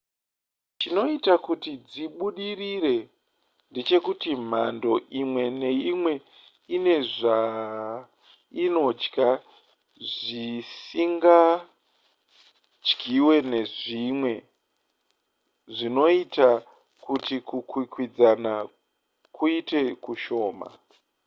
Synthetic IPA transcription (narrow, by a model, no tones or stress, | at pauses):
t͡ʃino̞itakutid͡ziɓuɗirire̞ | nde̞t͡ʃe̞kutim̤ando̞ʔimwe̞ne̞imwe̞ | ine̞ʐa | ino̞d͡ʒka | ʐisiŋɡa | d͡ʒɡiwe̞ne̞ʐimwe̞ | ʐino̞ita | kutikukwikwid͡zana | kuite̞kuʃo̞ːma̰